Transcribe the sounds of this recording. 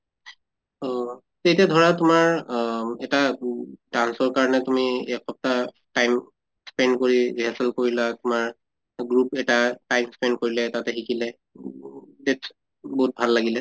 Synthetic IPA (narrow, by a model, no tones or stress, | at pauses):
ɔ | tetijadʱɔɹatʊmaɹ | ɛtadansɔɹkaɹɔnɛtumiɛkʰɔp̚ta | tajm | spɛndkoɹibiɦasɛlkoɹilatʊmaɹ | ɡɹupɛtatajmspɛnd̚koɹilɛtatɛxikilɛ | det | boɦut̚bʱalːaɡilɛ